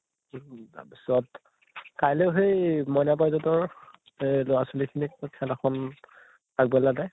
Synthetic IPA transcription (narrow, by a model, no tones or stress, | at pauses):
bsɔt | kajleʊɦejmɔnabajzɔtɔɹ | lɔasulikʰinik̚kʰɛlaxʰɔn | aɡ̚bɛladɛ